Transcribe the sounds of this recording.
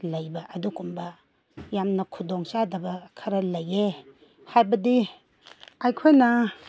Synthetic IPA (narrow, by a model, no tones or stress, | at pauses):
lɐjbɐʔɐdukumbɐ | jamnɐkʰudoŋsadɐbɐkʰɐɾɐlɐje | hajbɐdi | ajkʰojnɐ